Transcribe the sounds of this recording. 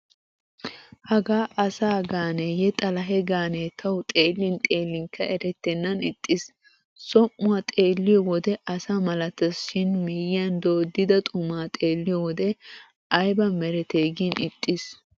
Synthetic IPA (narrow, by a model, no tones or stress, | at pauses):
hɐɡaːʔɐsaːɡaːneːjɛt̪ʼɐlɐɦɛɡaːneːt̪ʰɐwt̪ʼeːlːɪnt̪ʼe̞ːlːɪŋkʰːɐɛɾɛt̪ːɛnːɐnɪt̪ʼːɪs | sɔmːʊat̪ʼeːlːɪjɔwɔd̪ɛʔɐsaːmɐlɐt̪ːɐsʃɪnmiːjjɐnd̪oːd̪ɪd̪ɐt̪ʼʊmaːt̪ʼeːlːɪjɔwɔd̪ɛ | ʔɐjbɐmɛɾɛt̪eːɡinɪt̪ʼːɪs